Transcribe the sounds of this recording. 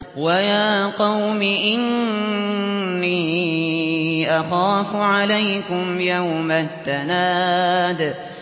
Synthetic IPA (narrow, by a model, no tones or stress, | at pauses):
wajaːqɑwmɪʔɪn | iː | ʔaxaːfʊʕalajkʊmjawmat̪ːanaːd̪